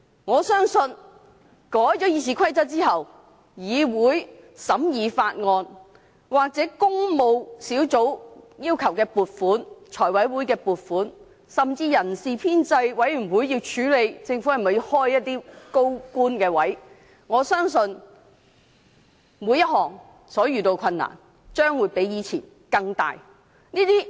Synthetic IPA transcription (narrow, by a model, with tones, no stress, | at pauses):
ŋɔː˨˧sœː˥ŋsɵ˧n | kɔː˨˥jt͡sɔː˨˥jiː˨˧siː˨˩kʷʰɐ˥jt͡sɐ˥t̚t͡siː˥ɦɐ˨w | jiː˨˧wuː˨˥jsɐ˨˥mjiː˨˧faː˧t̚ŋɔː˧n | waː˨k̚t͡sɛː˨˥kʊ˥ŋmo˨˧wsiː˨˥wt͡so˨˥wjiː˥wkʰɐ˨˩wkɛː˧puː˨t̚fuː˨˥nt͡ʃʰɔː˨˩jwɐ˨˥jwuː˨˥jkɛː˧puː˨˩t̚fuː˨˥n | sɐ˨mt͡siː˧jɐ˨˩nsiː˨pʰiː˥nt͡sɐ˧jwɐ˨˥jjy˨˩nwuː˨˥jːiː˧wt͡ʃʰyː˨˥le˨˧jt͡sɪ˧ŋfu˨˥hɐ˨˩mɐ˨˩ji˧whɔː˥jːɐ˥t̚t̪iː˥ko˥wkuː˥nkɛː˧wɐ˨˥j | ŋɔː˨˧sœː˥ŋsɵ˧n | mu˨˥jɐ˥t̚ɦɔː˨˩ŋ | sɔː˨˥jyː˨t̪o˧wkʰɐ˧nːa̰ː˨˩n | t͡ʃœː˥ŋwuː˨˧jpe˨˥jjiː˨˧t͡sʰiː˨˩n | kɐ˧ŋt̪a̰ː˨j | niː˥t̪iː˥